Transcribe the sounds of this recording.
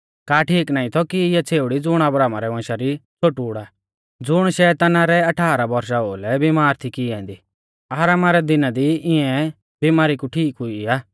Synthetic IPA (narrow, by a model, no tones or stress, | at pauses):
kaːʈʰiːknaːĩt̪ʰɔkiɪjat͡sʰeːʊɽid͡zʊɽ̃ɐbɾaːmaɾɛʋɔ̃ːʃaɾit͡sʰoʈuːɽa | d͡zʊɽ̃ʃɛt̪ɐnaɾɛɐʈʰaːɾabɔɾʃaoːlɛbimaːɾt̪ʰikiɛ̃ːnd̪iː | aːɾaːmaɾɛd̪ɪnad̪iɪ̃ɛ̃ | bimaːɾikuʈʰiːkɦʊiaː